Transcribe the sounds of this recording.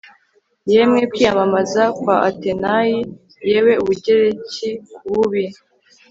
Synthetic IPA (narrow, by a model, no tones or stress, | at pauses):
jemŋe̞kwiːjamamazakwaʔate̞naji | je̞we̞uβuɟe̞ɾe̞cikʰuβuβi